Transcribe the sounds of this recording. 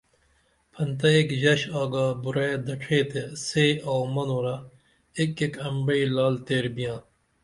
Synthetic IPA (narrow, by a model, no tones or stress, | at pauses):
pʰɐnt̪ɐekʑɐɕaːɡaːbuɾeːd̪ɐʈʰeːt̪eseːowmɐnoːɾa | ekekɐmbɐiːlaːlt̪eːɾbijãː